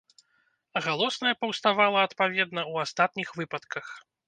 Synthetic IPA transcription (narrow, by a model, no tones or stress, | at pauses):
ɣalˠɔsnɐjɛpɐwst̪avalˠɐɐt̪pavʲɛd̪nɐwast̪at̪̚nʲixvɨpɐt̪kɐx